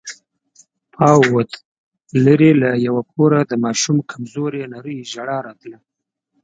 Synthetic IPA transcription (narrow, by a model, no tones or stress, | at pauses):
pʰɑwwət̪ | ləɾelajawap̚ʰoɾad̪əmɑʃumkʰamzoɾenaɾəjʒaɽɑɾɑt̪lə